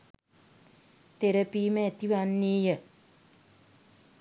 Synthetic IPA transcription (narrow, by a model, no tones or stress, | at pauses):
t̪eɾəpiːməet̪iʋanːiːjə